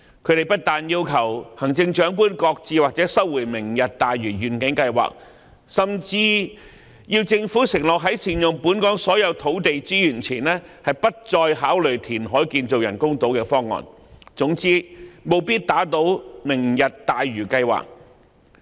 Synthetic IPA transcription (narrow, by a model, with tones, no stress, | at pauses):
kʰɵ˨˧˥ɾe˨jpɐ˥t̚t̪aː˨njiː˥wkʰɐ˨˩whɐ˨˩ŋt͡sɪ˧ŋt͡ʃœː˨˥ŋkuː˥nkɔː˧k̚t͡siː˧waː˨k̚t͡sɛː˨˥sɐ˥wwuː˨˩jmɪ˨˩ŋjɐ˨t̚t̪aː˨jɥyː˨˩jyː˨˩nkɪ˨˥ŋkɐ˧jwa̰ː˨k̚ | sɐ˨mt͡siː˧ | jiː˧wt͡sɪ˧ŋfuː˨˥sɪ˨˩ŋlɔː˨k̚ɦɐ˨˥jsʰiː˨˩njʊ˨ŋpuː˨˥nkɔː˨˥ŋsɔː˨˥jɐ˨˧wt̪ʰo˨˥wt̪e˨jt͡siː˥jyː˨˩nt͡sʰiː˨˩nlɛː˥hɐ˨jpɐ˥t̚t͡sɔː˧jɦaː˨˥wlɵ˨˩jt̪ʰiː˨˩nɦɔː˨˥jkiː˧nt͡so˨wjɐ˨˩nkʊ˥ŋt̪o˨˥wkɛː˧fɔː˥ŋːɔ̰ː˨n | t͡sʊ˨˧˥ŋt͡siː˥mo˨˧wpiː˥t̚t̪aː˨˥t̪o˨˥wmɪ˨˩ŋjɐ˨t̚t̪aː˨jɥyː˨˩kɐ˧jwa̰ː˨k̚